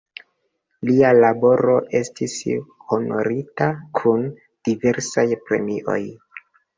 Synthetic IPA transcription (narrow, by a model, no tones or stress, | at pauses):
lialabo̞ɾo̞ʔe̞stisho̞no̞̰ɾitakʰun | d̥ive̞ɾsajpɾe̞̰miʔo̞̰j